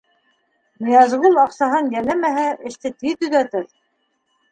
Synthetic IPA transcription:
mĭjɑzʁulˠɑqsɑɦɤnjælæmæɦæʔɘ̆ʃt̪ɘt̪it̪ɵ̆ðæt̪ɘɾ

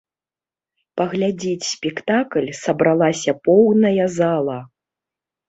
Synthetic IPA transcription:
pɐɣlʲad͡zʲit͡sʲsʲpʲɛkt̪aklʲsɐbɾalˠasʲɐpɔwnɐjɐzalˠɐ

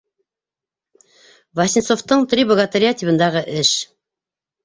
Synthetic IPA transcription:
vɐsʲinsoft̪ɤɴt̪ɾʲibəɡat̪aɾʲɪjat̪ʲibɤ̆nd̪ɑʁɤʔɘʃ

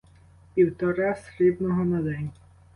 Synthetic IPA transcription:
pʲiwt̪ɔɾasrɪb̪nɔɦɔnɐd̪ɛnʲ

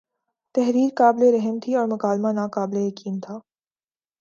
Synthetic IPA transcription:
t̪ɛɦɾiːɾkaːbleɾɛɦəmt̪ʰiɔːɾmʊkaːlmanaːkaːblejɐkiːnt̪ʰaː

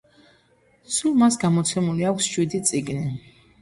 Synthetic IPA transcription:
sulˠmasɡamɔt̪sʰɛmuliakʷʰsʃwid̪it̪sʼiɡni

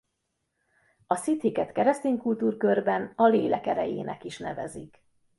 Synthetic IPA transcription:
ɒsit̪hikɛt̪kɛɾɛst̪eːɲkult̪uːrkø̞rbɛnɒleːlɛkɛɾɛjḛːnʔɛ̰kiʃnɛvɛ̰zik

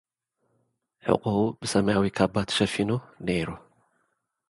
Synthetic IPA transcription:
ħɨ̰kʼuubɨsɐmajawikʰabat̪ʃɐfinoneɾu

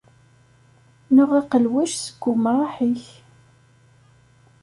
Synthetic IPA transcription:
nʊʁɑqəlwæʃsə̥ɡʷːʊmɾˤɑħiç

